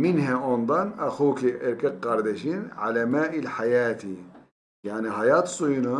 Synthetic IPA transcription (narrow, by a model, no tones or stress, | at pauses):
mɪnhaʔond̪ˤɑnʔaxuːkiʔɪɾkɪqːɑɾˤd̪aʃiːnʕa̰lamaːʔɪlħajaːt̪i | jaʕnihajaːt̪sˤuːna